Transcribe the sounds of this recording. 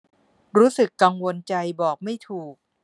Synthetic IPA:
ɾuː˦˥sɯ˨˩kːa˧ŋwo˧nt͡ɕa˧jbɔː˨˩k̚ma˥˩jt̪ʰuː˨˩k̚

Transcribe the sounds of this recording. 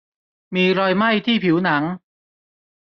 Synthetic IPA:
miː˧ɾɔː˧jma˥˩jt̪ʰiː˥˩pʰi˩˦wna˩˦ŋ

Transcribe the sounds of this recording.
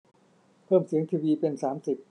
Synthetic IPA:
pʰɤː˥˩msi˩˦əŋt̪ʰiː˧wiː˧pe˧nsaː˩˦msi˨˩p̚

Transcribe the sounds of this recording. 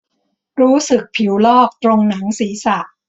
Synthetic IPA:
ɾuː˦˥sɯ˨˩k̚pʰi˩˦wlɔː˥˩k̚t̪ɾo˧ŋna˩˦ŋsiː˩˦sa˨˩ʔ

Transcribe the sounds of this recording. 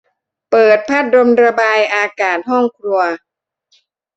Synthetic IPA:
pɤː˨˩t̪̚pʰa˦˥˩t̪̚ɾo˧mɾa˧baː˧jʔaː˧kaː˨˩t̪̚ɦɔ˥˩ŋkʰɾu˧ɐ

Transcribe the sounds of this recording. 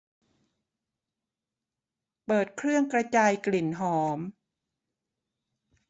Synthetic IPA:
pɤː˨˩t̪̚kʰɾɯ˥˩əŋkɾa˧t͡ɕaː˧jkli˨˩nɦɔː˩˦m

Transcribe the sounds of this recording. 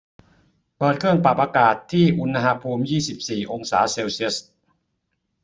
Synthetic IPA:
pɤː˨˩t̪̚kʰɯ˥˩əŋpa˨˩p̚ːaː˧kaː˨˩t̪ʰːiː˥˩ʔu˧n˧ɦaː˧pʰuː˧mjiː˥˩si˨˩p̚siː˨˩ʔo˧ŋsaː˩˦seː˧wsi˦˥˩st̚

